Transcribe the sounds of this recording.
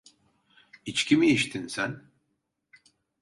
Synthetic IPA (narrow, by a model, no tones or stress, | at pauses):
it͡ʃcʰimiiʃt̪ʰinsæn